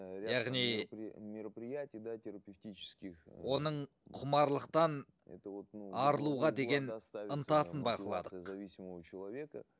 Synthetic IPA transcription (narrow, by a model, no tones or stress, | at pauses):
ɾʲɪjɑʁnijmʲɪɾəpɾʲɪjætʲɪjd̪atʲɪɾəpʲɪftʲit͡ʃɪ̥skʲɪxwo̞nəɴ | qʰʊmɑɾlˠəqt̪ɑn | ɛ̰t̪əvot̪nɑɾəlˠuʁɑd̪e̞ɡʲe̞nst̪aənt̪ɑsənbɑqəlˠɑ̰d̪əzɐvʲisʲɪməvət͡ɕɪlˠɐvʲekə̰